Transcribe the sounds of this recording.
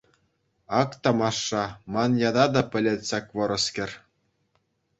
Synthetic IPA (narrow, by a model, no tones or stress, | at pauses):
ɑkt̪ɑmɑʂːɑmɑnjɑd̪ɑd̪ɑpʲɘ̆lʲĕt̪ʲsɑkʲʋɤ̆ɾɤ̆skʲɘ̆rʲ